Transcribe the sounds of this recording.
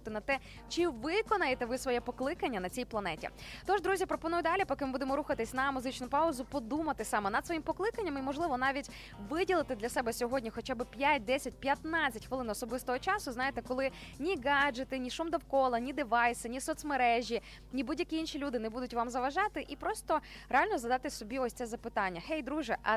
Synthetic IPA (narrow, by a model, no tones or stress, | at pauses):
t̪ɪnɐt̪ɛ | t͡ʃɪʋɪkɔnɐjet̪ɛʋɪsʋɔjɛpɔklˠɪkɐnʲːɐnɐt͡sʲijplˠɐnɛtʲḭt̪ɔʒd̪ɾuzʲipɾɔpɔnujʊd̪ɑlʲipɔkɪmɪbud̪emɔɾuxɐt̪ɪsʲnɐmuzɪt͡ʃnʊpɑʊzʊpɔd̪umɐt̪ɪsɑmɛnɐd̪sʋɔjimpɔklˠɪkɐnʲːɐmimɔʒlˠɪʋɔn̪ɑʋʲitʲ | ʋɪdʲilˠɪt̪ɪd̪lʲɐsɛbɛsʲɔɦɔdʲnʲixɔt͡ʃabɪpʲjat̚ʲd̪ɛsʲɐt̚ʲpʲjɐt̪nɑt͡sʲɐtʲxʋɪlˠɪnɔsɔbɪst̪ɔɦɔt͡ʃɑsʊznɑjet̪ɛkɔlˠɪnʲiɡɑd͡ʒet̪ɪnʲiʃumd̪ɔwkɔlˠɐnʲid̪ɪʋɑjsɪnʲisɔt̪smeɾɛʒʲi | nʲibudʲjɐkʲiinʃilʲud̪ɪnɛbud̪ʊtʲʋamzɐʋɐʒɑt̪ɪʔipɾɔst̪ɔɾealʲnɔzɐd̪ɑt̪ɪsɔbʲiɔsʲsɛzɐpɪt̪ɑnʲːɐxɛjd̪ɾuʒɛʔɐ